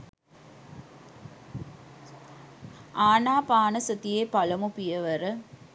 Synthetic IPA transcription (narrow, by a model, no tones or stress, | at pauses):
aːnaːpaːnɐsɐt̪ijeːpɐlɐmupijɐʋɐɾɐ